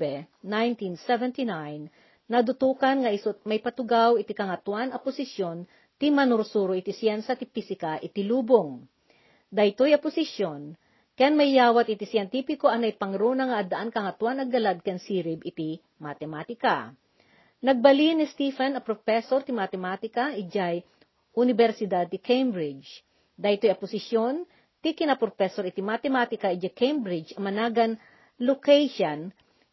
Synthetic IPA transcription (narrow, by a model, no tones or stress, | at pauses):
ɛ | najnt̪insɛvɛnt̪inajnː | ɐd̪ʊt̪uːkɐnŋɐʔisomɐjpɐt̪ʊɡawɪt̪ikɐŋɐt̪wanɐpʊsɪsjo̞n | t̪imɐnʊɾsuːɾoʔɪt̪isjɛnsɐt̪ɪpisɪkɐʔɪt̪iluːboŋ | d̪ɐjt̪ojɐpʊsɪʃjon | kɐjanmɐjːaːwɐt̪ʔɪt̪isjɛnt̪ipɪko̞ʔɐnɐjpɐŋɾoːnɐŋɐʔɐd̪ɐʔankɐŋɐt̪wanɐɡɐlad̪̚kɛnsiːɾɪbɪt̪i | mat̪ɛmat̪ɪka | nɐɡ̚bɐlinɪst̪ifɛnɐpɾofɛsoɾt̪ɪmat̪ɛmat̪ɪkɐʔɪd͡ʒaj | ʔʊnɪbɛɾsɪd̪ad̪̚t̪ɪkʰejmbɾɪd͡ʒ | d̪ahɪt̪ojɐpʊsɪʃjon | t̪ikɪnɐpɾofɛsoɾɪt̪imat̪ɛmat̪ɪkɐʔɪd͡ʒakʰejmbɾɪd͡ʒɐmɐnaːɡɐn | lokɛjʃɐn